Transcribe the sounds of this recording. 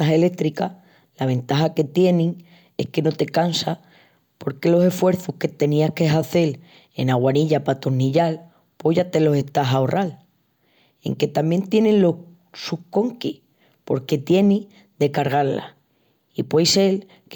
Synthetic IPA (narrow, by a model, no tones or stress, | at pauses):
aɦe̞le̞kt̪ɾika | laβ̞e̞nt̪aɦake̞t̪je̞nĩŋ | e̞̰hke̞no̞t̪e̞kansa | po̞ɾke̞lo̞se̞fwe̞ɾθuhke̞t̪e̞niahke̞ɦaθe̞l | e̞̰naɣwaniʎapat̪o̞ɾniʎal | po̞ʝat̪e̞lo̞se̞ht̪aɦaorʔal | e̞̰ŋke̞t̪amje̞nt̪je̞nenlo̞ | suhko̞ŋki | po̞ɾke̞t̪je̞ni | d̪e̞kaɾɣ̞aɾla̰ | ipwe̞jse̞l | k